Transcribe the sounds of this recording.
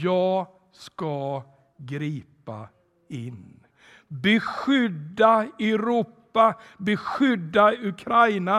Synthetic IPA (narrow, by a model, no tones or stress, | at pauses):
jɑː | ska | ɡɾiːpa̰ | ɪn | bɛɧʏd̪ːaɛɾuːpːa | bɛɧʏd̪ːaɵkʰɾajna